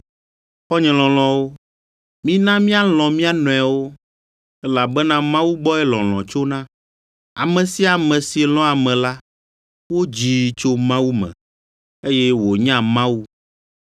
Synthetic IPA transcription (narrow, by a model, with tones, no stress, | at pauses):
xɔ˦ɲɛ̃˨lɔ̃˨l̃ɔ̃˨wo˦ | mĩ˦nã˦mĩ˦a˦l̃ɔ̃˨mĩ˦a˦nɔ̃˨a˨wo˦ | ɛ˦la˨bɛ˦nã˦mã˦wu˦bɔ˦ɛ˦lɔ̃˨l̃ɔ̰̃˨t͡ʃo˦nã˦ | a̰˨mɛ̃˨si˦a˨mɛ̃˨si˨lɔ̃˦a˨mɛ̃˨la˦ | wo˦d͡ʑi˨t͡ʃo˦mã˦wu˦mɛ̰̃˨ | e˦jɛ˦wo˨ɲã˦mã˦wu˦